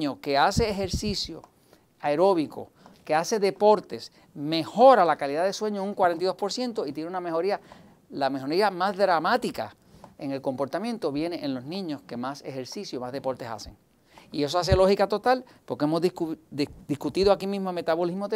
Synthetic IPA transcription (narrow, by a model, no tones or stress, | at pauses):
oke̞ase̞ːɦe̞ɾsisjo̞̰ | aeɾo̞βikʰo̰ | ke̞ase̞ðe̞po̞ɾt̪e̞s | me̞ho̞ɾalakaliðaðe̞swe̞ɲouŋkwaɾent̪iðo̞spo̞ɾsje̞nt̪o̞it̪je̞neuname̞ho̞ɾia | lame̞ɦo̞ɾiamazðɾamat̪ika̰ | e̞ŋe̞lko̞mpo̞ɾt̪amjẽ̞nt̪o̞βje̞ne̞ʔenlo̞znĩɲo̞ske̞masehe̞ɾsisjomazðe̞po̞ɾt̪esa̰se̞ŋ | ie̞s̬o̞as̬e̞lo̞hikat̪o̞t̪al | po̞ɾkeemozðkd̪iskut̪iðoakimĩzmome̞t̪aβo̞lizmoð